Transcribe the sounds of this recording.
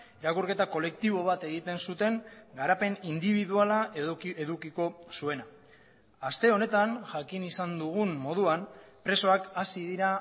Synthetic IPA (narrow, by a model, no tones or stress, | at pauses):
eɾakuɾke̞t̪ako̞le̞k̚t̪iβo̞β̞at̪e̞ɣ̞it̪e̞nsut̪e̞ŋɡaɾape̞nind̪iβiðualaeðukiko̞sue̞na | ast̪e̞o̞ne̞t̪anʝakinisand̪uɣumːo̞ð̞uan | pɾe̞so̞akasiðiɾa